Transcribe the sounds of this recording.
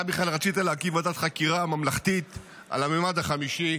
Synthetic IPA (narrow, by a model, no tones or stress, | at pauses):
abiχlalʁat͡sit̪alaːkivat̪at̪χakiʁamamlaχt̪it̪ | a̰lamemad̪aχamiʃi